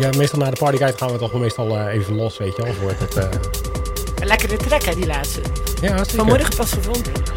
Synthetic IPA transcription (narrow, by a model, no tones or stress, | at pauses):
jamejstɑlˠnaːdəpɑɹdikajtχaːnʋətɔχmejstɑlˠəejvəlɔsʋejtjəɔlˠvoːɹtətə | əlɛkərətrɛkədilaːtstəjasefɔnmʊɹdəχɦɛbətɔsχəvɔndə